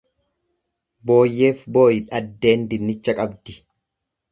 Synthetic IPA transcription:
bo̞ːjːe̞ːfbo̞ːjɪᶑɐd̪ːe̞ːnd̪ɪnːɪt͡ʃːɐkʼɐbd̪ɪ

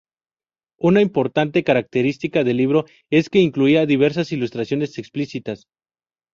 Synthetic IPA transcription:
unaimpo̞ɾt̪ant̪e̞kaɾak̚t̪e̞ɾist̪ikaðelːiβ̞ɾo̞ | e̞ske̞iŋkluiaðiβ̞e̞ɾs̬asilust̪ɾasjo̞ne̞seksplisit̪as

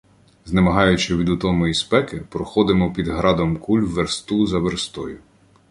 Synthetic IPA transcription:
znemɐɦɑjʊt͡ʃɪʋʲid̪ʊt̪ɔmɔispɛkɪpɾɔxɔd̪ɪmɔpʲid̪ɦɾɑd̪ɔmkulʲwʋːeɾst̪uzɐʋerst̪ɔjʊ

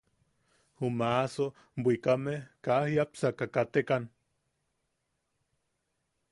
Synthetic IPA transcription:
humaso | bʷikamehkahiapsakakat̪ekan

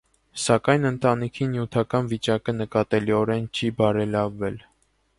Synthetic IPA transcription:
sɑkɑjnənt̪ɑnikʰinjut̪ʰɑkɑnvit͡ʃɑkənəkɑt̪ɛliɔɾɛnt͡ʃʰibɑɾɛlɑvːɛl

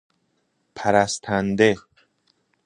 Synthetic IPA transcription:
pʰæɾæst̪ʰænd̪e

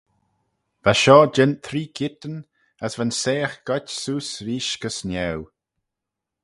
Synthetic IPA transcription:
v̥aʃɔːd͡ʒɛnt̪ʰɾiːkʰɪt̪ən | əsvanseːxɡ̥ɔtʲsuːsɾiːʃɡəsnɛw

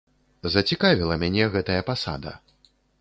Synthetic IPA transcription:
zɐt͡sʲikavʲilˠɐmʲanʲɛɣɛt̪ɐjɐpasa̰d̪ɐ̰

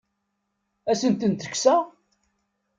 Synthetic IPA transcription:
æsənt̪ənt̪ə̥kːsæ

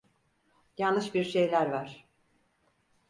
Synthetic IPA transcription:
jalnːɯʃbiɾʃe̞jlʲæɾvaɾ̥

